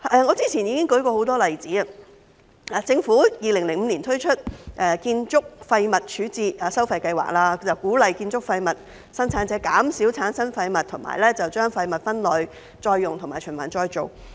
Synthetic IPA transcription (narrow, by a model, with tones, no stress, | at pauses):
ʔɛː˨˧ŋɔː˨˧t͡siː˥t͡sʰiː˨˩njiː˨˧kɪ˥ŋkɵ˨˥kɔː˧ho˨˥wt̪ɔː˥lɐ˨jt͡siː˨˥ɐ˧ | aː˨t͡sɪ˧ŋfuː˨˥jiː˨˧lɪ˨˩ŋlɪ˨˩ŋm̩˨˧niː˨˩nt̪ʰɵ˥ɥt͡ʃʰɵ˥t̚ʔɛː˨˧kiː˧nt͡sʊ˥k̚fɐ˧jmɐ˨t̚t͡ʃʰyː˨˥t͡siː˧taː˨˩sɐ˥wfɐ˧jkɐ˧jwa̰ː˨k̚laː˧t͡sɐ˨wkuː˨˥lɐ˨jkiː˧nt͡sʊ˥k̚fɐ˧jmɐ˨t̚ | sɐ˥nt͡sʰaː˨˥nt͡sɛː˨˥ka̰ː˨˥msiː˨˥wt͡sʰaː˨˥nsɐ˥nfɐ˧jmɐ˨t̚t̪ʰʊ˨˩ŋma̰ː˨˩jlɛː˥t͡sɐ˨wt͡ʃœː˥ŋfɐ˧jmɐ˨t̚fɐ˥nlɔ˨j | t͡ʃɔː˧jːʊ˨ŋt̪ʰʊ˨˩ŋmaː˨˩jt͡ʃʰɵ˨˩nmɐ̰˨˩nt͡ʃɔː˧jt͡ʃo˨˩w